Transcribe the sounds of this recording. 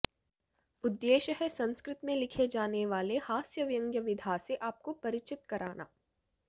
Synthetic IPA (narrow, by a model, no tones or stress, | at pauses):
ʊd̪ːeːʃəɦɛsɐ̃nskɾɪt̪mẽlɪkʰed͡ʒaːneʋaːlehaːsjəʋjɐ̃ŋɡjəʋɪd̪ʱaseʔaːp̚kopɐɾɪt͡ʃɪt̪̚kɐɾaːna̰ː